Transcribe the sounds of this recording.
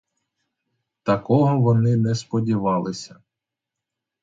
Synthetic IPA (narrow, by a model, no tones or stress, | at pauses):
t̪ɐkɔɦɔʋɔnɪnɛspɔdʲiʋɑlˠɪsʲɐ